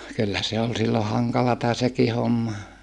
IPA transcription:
kylːæ se ol silːo hɑŋkɑlɑtɑ seki homːɑ

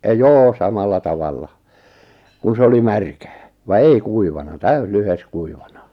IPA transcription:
joː sɑmɑlːɑ tɑʋɑlːɑ kun̞ se oli mærkæː ʋɑ ei kuiʋɑnɑ tæys lyhes kuiʋɑnɑ

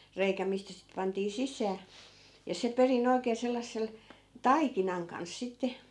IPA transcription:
reikæ mistæ sit pɑntiː sisˑæː jɑ se perin oi̯keː selːɑsːel tɑikinɑŋ kɑns sitːe

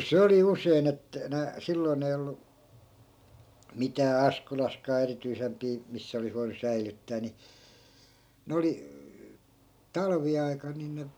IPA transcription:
se oli usein et næ silːoi̯n ei olːu mitæː ɑskolɑskɑː erityisempiː misːæ olis ʋoinu sæilytːæː ni ne oli tɑlʋiɑi̯kɑn nin ne

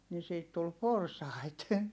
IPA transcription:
ni siːt tul porsɑˑit

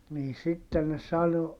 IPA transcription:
niː sitːen ne sɑno

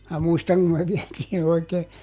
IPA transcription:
mæː muistɑŋ kum me ʋiɛtiːn oikeː

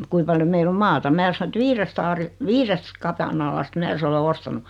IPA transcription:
kui pɑljo meilː om mɑːtɑ mæː sɑno et ʋiːrest ɑːri ʋiːrest kɑpɑnɑlɑst mæː se ole ostɑnu

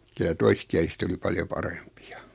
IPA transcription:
kylæ toiskiæliset oli pɑljo pɑrempi̥ɑ̥

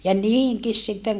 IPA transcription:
jɑ niːhiŋkis sitːeŋ

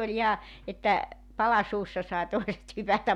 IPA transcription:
olʲ ihɑ etːæ pɑlɑ suːsːɑ sɑi toiset hypætæm

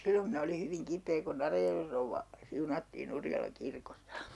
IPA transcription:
silːom minæ oli hyʋiŋ kipˑeː kun ɑrɑjærʋej rouʋːɑ siunɑtːiːn urjɑlɑŋ kirkosːɑ̥

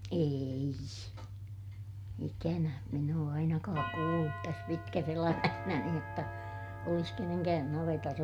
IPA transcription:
eːi ikænæ min oː ɑinɑkɑːk kuːlːut tæs pitkæs elæmæhnæni jotːɑ olis keneŋkæːn nɑʋetɑs

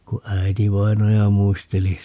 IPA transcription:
ku æi̯tiʋɑinɑjɑ muisteli

